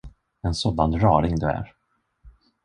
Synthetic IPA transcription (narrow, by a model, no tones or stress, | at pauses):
ɛnsoːd̪and̪ɾɑːɾɪŋd̪ɵæ̰ɾ